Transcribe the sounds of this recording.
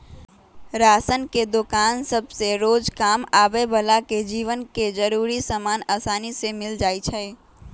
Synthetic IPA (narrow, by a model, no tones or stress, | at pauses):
ɾaːsənked̪ʊkaːnsəbseɾoːd͡ʒkaːmaːbebəlaked͡ʒiːʋənked͡ʒəɾuːɾisəmaːnaːsaːnisemɪld͡ʒaːit͡ʃʰɛː